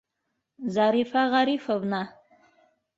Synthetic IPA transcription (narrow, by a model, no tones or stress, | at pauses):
zaɾifaʁaɾifɐbna